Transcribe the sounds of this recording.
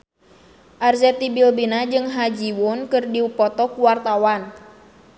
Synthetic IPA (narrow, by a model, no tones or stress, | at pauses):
ʔarzɛt̪ibilbinad͡ʒɨŋɦad͡ʒiwʊnkɨrdiupɔt̪ɔkuwart̪awan